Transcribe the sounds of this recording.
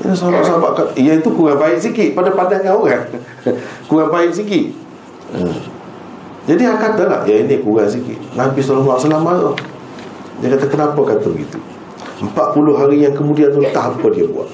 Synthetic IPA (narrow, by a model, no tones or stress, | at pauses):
ə̰sala̰ʔsabaʔkaijait̪ukuɣaŋbaɪʔsikɪʔpadapandaŋaoɣaŋ | kuɣaŋbaɪʔsikɪʔ | ə̰ | d͡ʒadiakat̪ala̰hijainikuɣaŋsikɪ̰ʔnabisalahmaʔsalamalah | dakat̪akənapəkat̪əbə̰ɡḭt̪ṵ | mpaʔ̪̚pulʊɦaɾijaŋkəmudiant̪ut̪aɦapədiabṵa̰ʔ